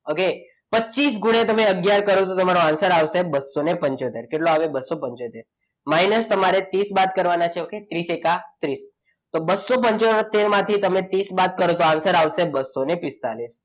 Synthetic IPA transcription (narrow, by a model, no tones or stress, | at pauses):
oke | pətːt͡ʃisɡuɽ̃et̪əmeəɡjaɾkəɾot̪ot̪əmaɾoãnsəɾaʋsebəsːonepəɲt͡ʃot̪eɾkeʈloaʋebəsːopəɲt͡ʃot̪eɾ | majnəst̪əmaɾet̪isbat̪kəɾʋanat͡ʃʰeoket̪ɾisekat̪ɾis | t̪obəsːop̬əɲt͡ʃoɾt̪eɾmãt̪ʰit̪əmẽt̪isbat̪̚kəɾot̪oãnsəɾaʋsebəsːonepɪst̪alis